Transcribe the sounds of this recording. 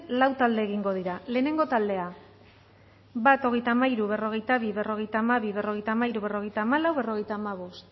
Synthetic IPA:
lawt̪ald̪e̞ːɣiŋɡo̞ð̞iɾale̞ːne̞ŋɡo̞t̪ald̪e̞a | bat̪o̞ɣ̞e̞jt̪aːmaiɾuβ̞e̞ro̞ɣ̞e̞jt̪aβ̞iβe̞ro̞ɣe̞jt̪aːmaβiβ̞e̞ro̞ɣ̞ejt̪amaiɾuβe̞roɣe̞jt̪aːmalawβe̞ro̞ɣ̞ejt̪aːmaβ̞o̞st̪

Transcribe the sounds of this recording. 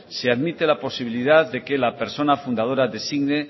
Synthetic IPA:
seaðmit̪elapo̞siβ̞iliðaððe̞ke̞lape̞ɾso̞nafund̪að̞o̞ɾaðe̞siɣne

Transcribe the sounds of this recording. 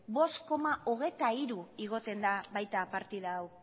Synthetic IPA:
bo̞sko̞maʔoɣ̞e̞jt̪aiɾuiɣ̞o̞t̪e̞nd̪aβajt̪apaɾt̪iðaːw

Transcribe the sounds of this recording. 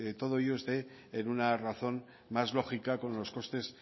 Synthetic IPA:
t̪o̞ð̞o̞ioest̪e̞ | enunaraθo̞n | mazlo̞xikako̞nlo̞sko̞st̪e̞s

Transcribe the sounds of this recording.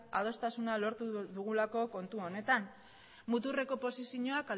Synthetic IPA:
að̞o̞st̪asunalo̞ɾt̪uðuɣulako̞ko̞nt̪uo̞ne̞t̪an | mut̪̬ure̞ko̞po̞sisiɲoakal

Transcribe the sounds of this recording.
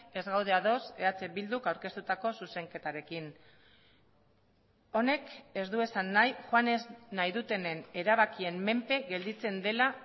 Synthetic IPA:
e̞zɣawð̞e̞aðo̞se̞at͡se̞bild̪ukawɾke̞st̪ut̪ako̞suse̞ŋke̞t̪aɾe̞kin | o̞ne̞ke̞zd̪ue̞sanːajxwaneznajðut̪e̞ne̞ne̞ɾaβ̞akie̞mːe̞mpe̞ɣe̞ld̪it͡se̞nd̪e̞la

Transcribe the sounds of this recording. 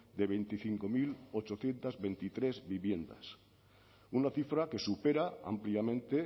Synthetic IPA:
d̪e̞βe̞jnt̪iθiŋko̞milo̞t͡ʃo̞θje̞nt̪azβe̞jnt̪it̪ɾe̞zβiβje̞nd̪a̰s | unaθifɾake̞supe̞ɾaa̰mpliamẽ̞nt̪e̞

